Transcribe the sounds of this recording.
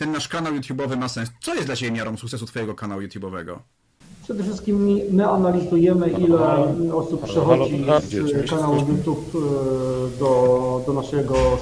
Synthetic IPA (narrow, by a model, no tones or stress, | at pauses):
t̪ɛnːaʂkanawjut̪ʲjubɔvɘmasɛnst̪sɔjɛst̪dlat͡ɕebʲjemʲjaɾɔ̃w̃sukt̪sɛsut̪fɔjɛɡɔkanawujut̪ʲjubɔvɛ̰ɡɔ̰ | pʂɛd̪ɛfʂɘst̪kʲimiːɘanalʲizujɛmɘʔilɛɔsuppːʂɛxɔd͡ʑizkanawujut̪ʲjup | d̪ɔd̪ɔnaʂɛɡɔ